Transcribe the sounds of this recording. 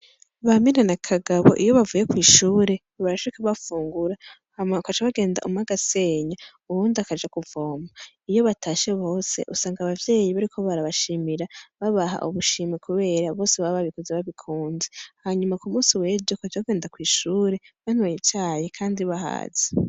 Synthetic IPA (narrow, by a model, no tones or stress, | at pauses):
βaminanakʰaɡaβo̞̰ʔijo̞βavuje̞kwiːʃuːɾe̞ | βaɾaʃikaβafuːŋɡuɾa | hamkat͡ʃaβaɡe̞ːnda̰ʔumaɡase̞ːɲa | uɾuːndiakad͡ʒakuvoːma | ijo̞βatʰaːʃeβo̞ːse̞̰ʔusaːŋɡaβavje̞ːjiβaɾikʰo̞βaɾaβaʃimiɾaβaβaɦa̰ʔuβuʃiːmikʰuβe̞ːɾaβo̞ːseβaβaβikozeβaβikʰuːnzehaɲumakumuːsiwe̞ːd͡ʒjokat͡ʃaβaɡeːndakwiːʃuːɾe̞βan̥wajet͡ʃaːjekʰaːndiβaɦa̰ːz̥e̥